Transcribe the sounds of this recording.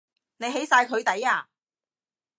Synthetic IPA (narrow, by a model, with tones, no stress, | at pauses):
ne˨˧jɦe˨˥jsaː˧jkʰɵ˨˧ɥt̪ɐ˨˥jaː˧